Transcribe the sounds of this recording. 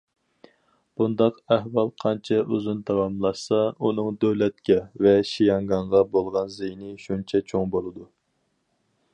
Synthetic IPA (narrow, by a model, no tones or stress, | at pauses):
b̥und̪ɑqæhwɑlˠqʰɑnt͡ʃʰɛʔuzunt̪ʰɑwɑmlˠɑʃsɑunɨŋd̪øwlɛt̪̚kʲɛvɛʃijɑŋɡɑɴʁɑbolˠʁɑnzejnɪʃunt͡ʃʰɛt͡ʃʰoŋbolˠɨd̪u